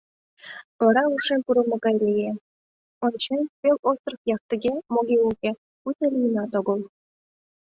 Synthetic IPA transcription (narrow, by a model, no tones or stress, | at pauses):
ŏɾɑuʂempuɾɤ̆mɤ̆kɑjlʲeje | ont͡ɕempʲelʲost̪rɤ̆χjɑk̚t̪ə̆ɡʲemoɡʲeukʲe | ut̪ĕlʲijnɑt̪ŏɡɤ̆lˠ